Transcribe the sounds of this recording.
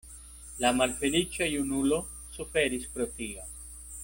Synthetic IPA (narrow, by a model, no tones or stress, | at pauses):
lamalfe̞lit͡ʃajunulo̞ | sufe̞ɾispɾotia